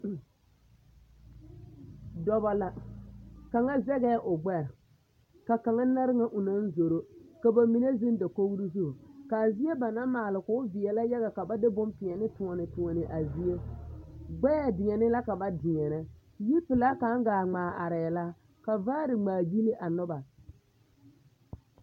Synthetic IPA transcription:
dɔ˨ba˨la˨ | ka˨ŋa˦zɛ˦ɣɛ˦ʔʊ˨ɡ͡bɛ˦ɾ | ka˨ka˨ŋa˦na˦ɾɪ˦ŋa˦ʔʊ˨na˦n˦zo˨ɾo˦ka˨ba˨mi˨ne˦zi˦nda˨ko˦ɡɾi˦zu˦˨ka˨zi˦e˦ba˨na˦maː˨lɪ˨kʊ˦vɪ˨ɛ˨la˦ja˦ɣa˨ka˨ba˦dɪ˦bʊ˦mpɪ˨ɛ˨nɪ˦tʊ˨ɔ˨nɪ˨tʊ˨ɔ˨nɪ˨ʔa˨zi˦je˦ | ɡ͡bɛ˦a˨dɪ˨ŋɛ˨nɪ˦la˦ka˨ba˦dɪ˨ŋɛ˨na˦ | ji˦pɪ˨la˦ka˨˦ŋ˦ɡaː˨ŋ͡maː˨ʔa˨ɾɛ˨la˦ | ka˨vaː˦ɾɪ˨ŋ͡maː˨bi˦nɪ˦ʔa˨nʊ˦ba˨

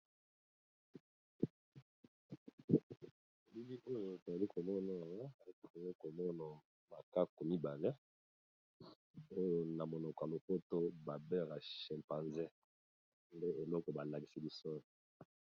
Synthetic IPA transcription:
o˨bi˦bi˦ʔo˦jo˨ta˨li˦ko˨mɔ˦na˨ja˨ŋɡa˦˨˦i˨ŋi˦ko˨mɔ˦na˨ | ma˨ka˦ko˨mi˦ba˨lɛ˦ | o˦jo˨na˨mo˨nɔ˨ka˨lo˨po˦to˦ba˨bɛ˦ʁa˨ʃɛ˨mpa˨nzɛ˦ | nde˦e˨lɔ˦kɔ˨ba˨la˨ki̥˨si˦bi˨so˦˨

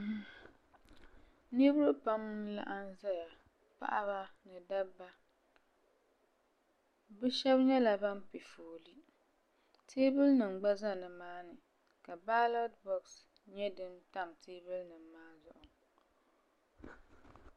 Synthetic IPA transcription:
ni˦bɾɨ˦pa˦mla̰˦ʔa˦n˦za˦ja˨ | pa̰˦ʔa˦ba˦nɨ˨da˦bːa˦ | bɛ˦ʃɛ˦bɲɛ˦la˨ba˦m˦pe˨foː˨li˦ | tʰeː˦bɨ˦lnɨ˨m̩˨ɡ͡ba˦za˦˨nɨ˨maː˦nɨ˨ | ka˨ba˦lɔ˦tbɔ˨ks | ɲɛ˦dɨ˦mta˦mteː˦bɨ˦lnɨ˨mː˦aː˦zʊ˦˨ʔʊ˨ŋ

